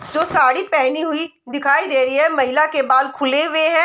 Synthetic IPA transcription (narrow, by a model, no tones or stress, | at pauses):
d͡ʒoːsaːɽipɛːniɦʊi | d̪ɪkʰaːid̪eːɾəiɦɛmɐɦɪlakebaːd̪kʰʊleʋeɦɛ̃ː